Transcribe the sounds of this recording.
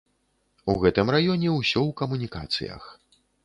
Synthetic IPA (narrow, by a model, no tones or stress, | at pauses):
uɣɛt̪ɨmrajɔnʲɛwsʲɔwkɐmunʲikat̪sɨ̰jɐ̰x